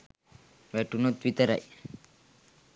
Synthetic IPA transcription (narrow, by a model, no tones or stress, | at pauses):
ʋɛʈunot̪ʋit̪əɾa̰j